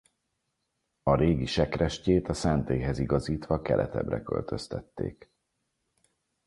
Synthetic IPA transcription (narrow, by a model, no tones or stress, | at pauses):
ɒɾeːɡiʃɛkrɛʃceːt̪ɒsɛnt̪eːɦɛziɡɒziːt̪ʋɒkɛlʔɛt̪ɛ̰brɛkø̰lt̪ø̞st̪ɛt̪ːḛːk